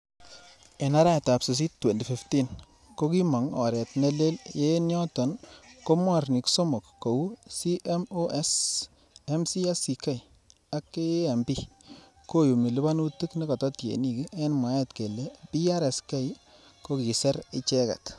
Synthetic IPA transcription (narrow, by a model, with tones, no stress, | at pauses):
e˨na˦ɾa˦˨ta˨psɪ˨s̬i˦tːwe˨ndi˨fi˨fti˦n | ko˦ki˦mɔ˨ŋɔ̰˨ɾɛ˨tnɛ˦le˦lje˦njɔ˦tɔ˨nko˦mwa˦˨rni˨kso˦mo˨kːo˨wu˦si˦ʔɛ˦mo˦ʔɛ˦s | ɛ˦msi˦a˦si˨kɛ˦j | a˦kːe˦e˦a˨mbi˦ | ko˦jo˨mi˨li˦ba˦nu˦tu˦kni˦kɔ˨tɔ˦tjḛ˨ni˦ki˦ɛ˦nmwa˨˦ɛ˦tke˨lɛ˦pi˦a˦ɾɛ˨skɛ˦j | ko˦ki˨sɛ˦ɾɪ˦t͡ʃɛ˦ka̰˨t